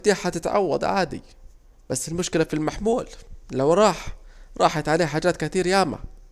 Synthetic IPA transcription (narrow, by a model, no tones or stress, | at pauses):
t̪iːat̪ɪt̪ʕa̰wːa̰d̪ˤʕa̰ːd̪ḭ | b̥asːɪlmʊʃkɪlæfilmaħmuːllæwɾˤɑːħɾˤɑ̰ːħat̪ʕaleːhħaːd͡ʒæːt̪kɪt̪iːɾjæːmæ̰